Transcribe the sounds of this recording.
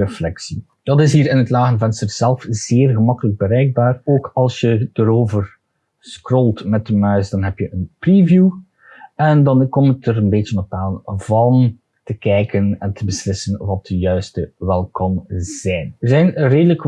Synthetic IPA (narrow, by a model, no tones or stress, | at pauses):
əflɛksi | d̥ɑtɪsɦiːɾɪnɦətlaːɣənvɛnstərz̥ɛlˠfz̥eːrɣəmɑkələɡ̚bəɾɛjɡ̚baːroːkɑlˠsjəd̥əɾoːvər | skrolˠtmɛt̚dəmœɥsdɑnɦɛpjəʔənprivju | ɛndɑnkɔmtəɾənbeːt͡ʃənɔpaːnvɑn | təkɛjkənɛntʰəbəslɪsənʋɑt̚d̥əjœɥstəʋɛlˠkɔmz̥ɛjnəzɛjnreːdələk